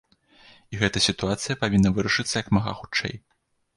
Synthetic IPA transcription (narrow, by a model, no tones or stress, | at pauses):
iɣɛt̪ɐsʲit̪uat̪sɨjɐpavʲinːɐvɨɾɐʂɨt̪sːɐjɐkmɐɣa̰xut͡ʂt͡ʂːɛ̰j